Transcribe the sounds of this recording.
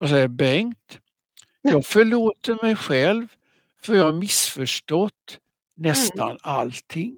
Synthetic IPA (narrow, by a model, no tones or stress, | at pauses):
as̬ɛjəbɛŋt̪ | jɑːɡfœɭoːt̪əɾmɛjɧɛlv | fœɾjɑːhaɾmɪsfœʂʈɔt̪ː | nɛst̪a̰nalt̪ʰɪŋː